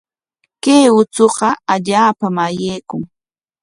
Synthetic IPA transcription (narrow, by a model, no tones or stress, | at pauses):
kejʊt͡soɢɑaʎaːpamajejkʊŋ